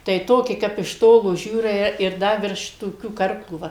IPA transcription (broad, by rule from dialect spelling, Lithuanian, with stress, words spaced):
tɐɪ ˈtoːkʲɪ ˈkɐp ɪʃ ˈtoːlˠoː ˈʒʲuːrɐɪ ɪr ˈdɐ ʋʲɪrʃ toːˈkʲuː ˈkɐrklˠuː ˈʋɐ